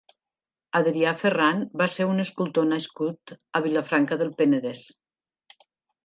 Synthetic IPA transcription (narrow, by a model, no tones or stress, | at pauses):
aðɾiafəranbaseunəskulˠt̪onaskut̪əβilafɾaŋkəðəlˠpenəðɛs